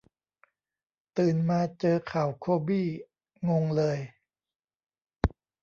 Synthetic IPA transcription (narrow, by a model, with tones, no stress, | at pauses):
t̪ɯː˨˩nmaː˧t͡ɕɤː˧kʰaː˨˩˦wkʰoː˧biː˥˩ | ŋo˧ŋlɤː˧j